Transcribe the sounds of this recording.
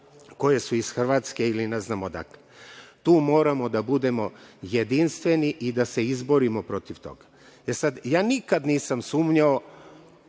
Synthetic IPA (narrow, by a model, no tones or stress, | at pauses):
ko̞je̞suisxr̩ʋaːt̪ske̞ilineznamod̪a̰klet̪uːmo̞ːɾamo̞d̪abud̪e̞mo̞jed̪inst̪ʋe̞niʔid̪ase̞izboɾimo̞pɾo̞t̪iʋt̪o̞̰ɡḁ | esad̪jaːnikad̪niːsamsuːmɲao